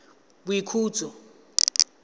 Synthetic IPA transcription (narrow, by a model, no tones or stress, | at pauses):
ɓ̬wikʰuːt͡sɔ